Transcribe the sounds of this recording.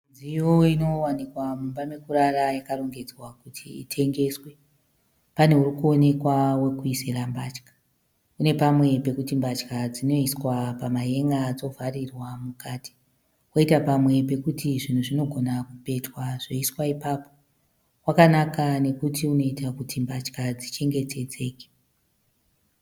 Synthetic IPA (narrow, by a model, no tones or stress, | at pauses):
nd͡zijoino̞wanikwamumbamekuɾarajakaroŋɡe̞d͡zwakutʰḭːtʰe̞ŋɡe̞swe̞ | pane̞urikuo̞ne̞kwawe̞kuiserambat͡ʃkḁ | une̞pamwe̞pe̞kutimbat͡ʃkad͡zino̞iswapamaje̞ŋɡaːd͡zo̞varirwamukati̥ | woitapamwe̞pe̞kutiʐin̤uʐino̞ɡʱo̞nakupe̞twaʐ̥o̞iswaipapo̞̥ | kwakanakane̞kutiuno̞itakutimbat͡ʃkad͡zit͡ʃe̞ŋɡe̞te̞t͡se̞ːke̥